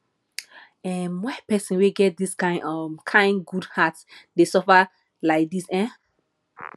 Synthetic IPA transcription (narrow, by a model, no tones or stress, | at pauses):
ɛmwɛpɛsĩnweɡɛt̚diskãɪ̃ndɔmkʰãɪ̃nɡudhatsdesɔfa | laɪk̚disɛ̃